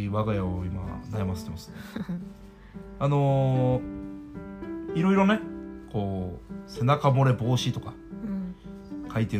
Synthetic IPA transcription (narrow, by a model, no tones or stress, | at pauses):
βaɡajaoima̰najamase̥t̪emasɨ̥ | ano̞ | iɾo̞iɾo̞ne̞ko̞ːse̞nakamo̞ɾe̞bo̞ːɕit̪okḁ | kʰait̪e